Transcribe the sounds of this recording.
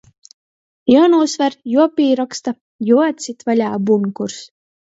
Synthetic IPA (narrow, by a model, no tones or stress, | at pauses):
jɔwnuːsvaɾjuɔpiːɾɔkst̪a | juat̪sʲit̪valʲaːbunkuɾs